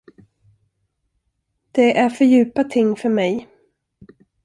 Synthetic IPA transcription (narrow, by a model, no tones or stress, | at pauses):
d̪̥ɛʔæɾfœɾjʉ̟ːpat̪ʰɪŋːfœɾmɛj